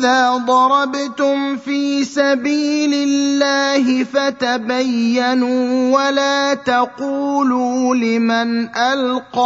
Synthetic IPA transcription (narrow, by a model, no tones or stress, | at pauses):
ðaːd̪ˤɑɾˤɑbt̪ʊmfiːsabiːlɪlːaːhɪfat̪abajːanuwalaːt̪aquːluːlɪmanʔalqɑ